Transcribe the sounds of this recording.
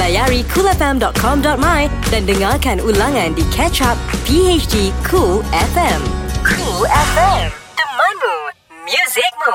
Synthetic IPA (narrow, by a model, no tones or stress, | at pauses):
lajaɹikʰulɛfɛ̃mdɔt̚kʰɔ̃mdɔt̚majdɛ̃ndəŋakɛ̃nulãŋɛ̃ndikʰɛt͡ʃap̚pʰiet͡ʃdikʰulɛfɛ̃mkʰulɛfɛ̃md̥əmanu | mjuzɪk̚mu